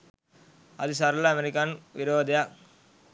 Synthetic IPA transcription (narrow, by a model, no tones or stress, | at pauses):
ɐd̪ɯsaɾɐlɐɐmeɾikanʋiɾoːd̪ɐja